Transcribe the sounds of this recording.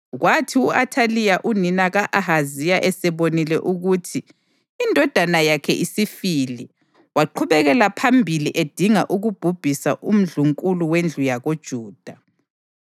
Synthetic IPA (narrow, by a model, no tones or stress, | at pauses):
ɣwatʰiuʔatʰalijaʔuninaɣaʔaɦazijaʔɛsɛβonilɛʔuɣutʰiː | ndʱɔd̥ʱanajakʰɛʔisifili | waǃʰuβɛɣɛlapʰambʱiliʔed̥ʱiŋaʔuɣub̥ʱub̥ʱisaʔum̩ɮuŋkʼuluwend͡ɮʱujaɣod̥ʒ̥ʱuːd̥ʱa